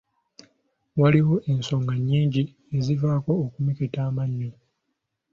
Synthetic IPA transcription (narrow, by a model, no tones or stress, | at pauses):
waliwo̞ʔe̞nso̞ːŋɡaɲːiːɲɟi | e̞zivaːko̞ːkumiketaːmaɲːo